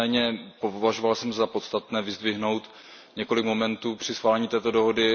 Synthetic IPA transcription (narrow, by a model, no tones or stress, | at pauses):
ɛːɲɛpovaʒovalsɛmzapo̞t̪st̪at̪nɛːvɪzd̪vɪɦno̞wt̪ | ɲɛko̞lɪkmo̞mɛnt̪uːpr̝̥ɪsxvaːlɛɲiːt̪ɛːt̪o̞do̞ɦo̞dɪ